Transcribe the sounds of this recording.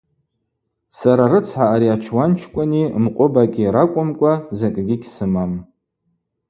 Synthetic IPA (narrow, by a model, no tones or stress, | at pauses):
saɾaɾɨt͡sʰħaːɾiat͡ʃʰwant͡ʃʰkʷʼanimqʷʼʊbakʲʼiɾakʷʼʊmkʷʼazakʲʼɡʲɪɡʲsɨmam